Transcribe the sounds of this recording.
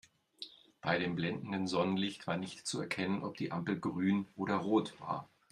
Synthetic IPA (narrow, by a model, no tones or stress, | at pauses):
b̥aɪɾeːmblɛndn̩dənzɔnənlɪçtv̥aːɐnɪçtt͡suɛɐkʰɛnənʔɔp̚d̥iːʔampl̩ɡʁyːnʔoːɾɐʁoːtv̥a̰ːɐ